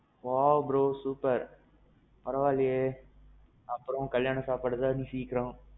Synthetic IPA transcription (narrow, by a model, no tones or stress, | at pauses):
ʋaːbɾoːsuːpɐɾ | pɐɾɐʋaːlɪje | ɐpːɯɾɔ̃kɐljaːnɐ̃saːpɐɽɐðaːnĩsiːkːɪɾõː